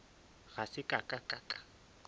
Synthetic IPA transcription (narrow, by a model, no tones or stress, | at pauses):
ɣasɪkʼakʼakʼakʼḁ